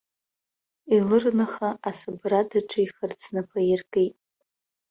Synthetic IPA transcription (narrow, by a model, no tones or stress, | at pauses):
ilɨrnɨχaʔasɨbradaʈ͡ʂʰʼaiχərt͡sʰnapʷʰajɪrɡʼijtʼ